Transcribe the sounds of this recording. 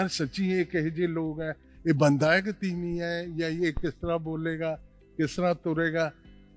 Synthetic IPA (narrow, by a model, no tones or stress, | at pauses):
əɾsɐt͡ʃiːekɛɦed͡ʒeːloːɡɦɛː | eːbə̃nd̪aːjəkt̪iːnĩɛːjajekɪst̪əɾaboːleːɡaː | kɪsəɾat̪ʊɾeːɡaː